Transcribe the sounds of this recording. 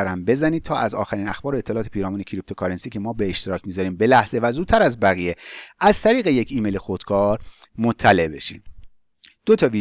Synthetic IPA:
ɾæmbe̞zænid̪̚t̪ʰɒːʔæzɒ̰ːxæɾiːnæxb̥ɒːɾoe̞t̪ʰːelɒːt̪e̞pʰiːɾɒːmuːne̞cʰiɾip̚t̪ʰo̞kʰɒɾensiːcʰemɒːbe̞ːʃt̪eɾɒːcʰmiːzɒɾiːmbe̞læhz̥e̞væzudt̪t̪ːʰæɾæzbæɣije̞æz̥t̪ʰæɾiːɣe̞je̞cʰiːmejlexod̪̥kʰɒːɾ | mot̪ʰːæle̞ʔbe̞̰ʃḭːm | d̪̥ot̪ʰɒviː

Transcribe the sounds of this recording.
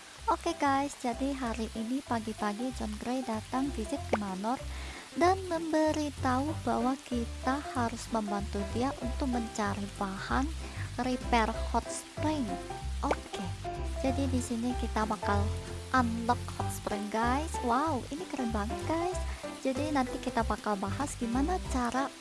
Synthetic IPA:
ʔokeɡajsd͡ʒadiɦaɾiʔinipaɡipaɡid͡ʒɔnɡəɾejdat̪aŋfisɪt̪̚kəmanɔr | danməmbəɾit̪aubawakit̪ahaɾʊsməmbant̪ud̪iaʔunt̪ʊk̚məɲt͡ʃaɾipahanɾipɛrhɔt̪̚spɾɪŋʔoked͡ʒadidisinikit̪apakalʔanlɔk̚hɔt̪̚spɾiŋɡajswauʔinikəɾənbaŋɡajsd͡ʒadinant̪ikit̪apakalbaɦasɡimanat͡ʃaɾa

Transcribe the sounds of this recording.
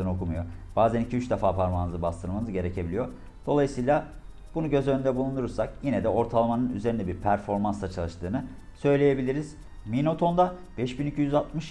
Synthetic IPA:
ɯno̞kumujo̞ | b̥aːzænicʰiyt͡ʃd̪efaːpʰaɾmanɯzɯbast̪ʰɯɾmanɯzɟe̞ɾe̞cʰe̞bilʲijo̞ | d̪̥o̞lˠajɯsɯːjlˠa | b̥unuɟø̞zønynd̪ɛbulˠunuɾuɾsakjinɛd̪ɛo̞ɾt̪ʰalˠamanɯny̰zeɾind̪ɛbiɾpʰæɾfo̞ɾmansat͡ʃʰalˠɯʃt̪ʰɯːnɯ | sø̞jlʲeje̞bilʲiɾiz̥ | mino̞t̪ʰo̞nd̪a | bɛʃbinicʰyjyzat̪mɯʃ

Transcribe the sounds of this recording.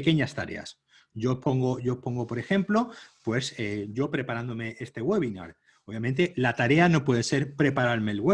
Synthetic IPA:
ke̞ɲast̪a̰ɾe̞̰a̰s | ʝo̞po̞ŋɡo̞ʝopo̞ŋɡo̞po̞ɾe̞xẽ̞mplo̞pwe̞seʝo̞pɾe̞paɾand̪o̞me̞ʔest̪e̞ɣwe̞β̞ina̰ɾ | oβjament̪e̞lat̪aɾe̞ano̞pwe̞ð̞ese̞ɾpɾe̞paɾaɾme̞ːlɣwe

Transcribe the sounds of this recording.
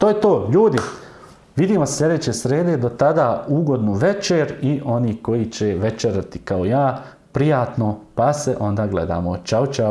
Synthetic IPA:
t̪oːjet̪oːʎuːd̪i | ʋid̪iːmassːlʎʲe̞d̪eːt͡ɕesɾeːd̪ed̪o̞t̪ad̪auːɡo̞d̪nuʋe̞t͡ʃeːɾiʔo̞niːko̞jit͡ɕeʋe̞t͡ʃeɾat̪ikaojaː | pɾijaːt̪nopaseʔo̞nd̪aːɡlḛd̪a̰ːmot͡ʃaot͡ʃa

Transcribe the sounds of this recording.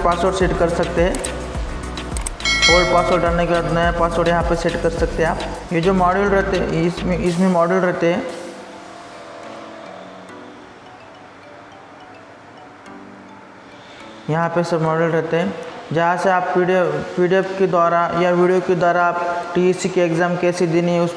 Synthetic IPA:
paːsoːʈseːʈkɐɾsɐk̚t̪eɦɛ̃ː | oːpaːsoːɾʈɖaːlnekebaːt̪nɐjapaːsoːʈjɐɦãpeseːʈkɐɾsɐk̚t̪eɦɛ̃aːpjed͡ʒoːmɔːɖəlɾɛɦt̪eɛ̰smẽɪsmẽmɔːɖəlɾɛɦt̪eɦɛ̃ː | jɐɦãpesɐbmɔːɖəlɾɛɦt̪eɦɛ̃d͡ʒɐɦãseaːppiɖiopiːɖiəbked̪aːɾajaʋiːɖijoked̪aːɾaaːpʈiesikeeːkzaːmkɛːsed̪ɪniʊs

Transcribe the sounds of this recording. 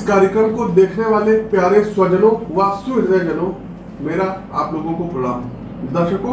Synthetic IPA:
kaːɾjəkɾəɾmkod̪eːkʰneʋaːlepjaːɾeswɐd͡ʒənõʋasuɾɾɛd͡ʒɐnõ | meːɾa | a̰ːploːɡõkopɾɐɽa̰ːm | d̪ɐɾʃəko

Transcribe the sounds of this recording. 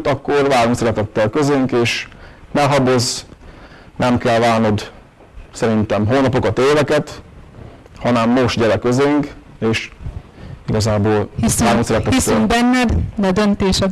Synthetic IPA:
t̪ɒkːorvaːɾuŋksɛɾɛt̪ɛt̪ːɛlkøzeːŋkeːʃnɛlɦɒbo̞z | nʔɛmkɛlvaːlno̞d̪ | sɛɾint̪ɛmɦoːnɒpo̞kɒt̪eːvɛkɛt̪ | hɒnɛmːo̞ʃt̪ɟɛɾɛkøzeːŋk | eːʃ | iɡɒzaːboːlhisaɾuŋksɛɾɛt̪ɛisyŋbɛnːɛd̪d̪ɛd̪ønt̪eːʃɛ

